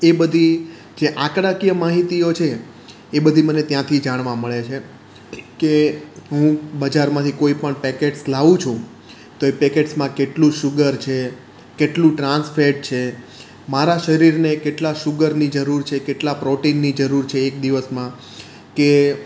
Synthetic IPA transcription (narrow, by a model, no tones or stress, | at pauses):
ebəd̪ʱi | d͡ʒeʔãkɾakijəmaɦit̪iot͡ʃʰeː | bəd̪ʱimənet̪jãt̪ʰid͡ʒaɽ̃ʋãməɭet͡ʃʰe | keɦũbəd͡ʒaɾmãt̪ʰikoipəɳpɛkeʈslaʋũt͡ʃʰũ | t̪oepɛkeʈsmãkeʈlũʃʊɡəɾt͡ʃʰe | keʈlũʈɾãnsfeɖ̚t͡ʃʰe | maɾaʃəɾiɾnekeʈlaʃʊɡəɾnid͡ʒəɾuɾt͡ʃʰekeʈlapɾoʈinːid͡ʒəɾuɾt͡ʃʰeːk̚d̪iʋəsmã | ke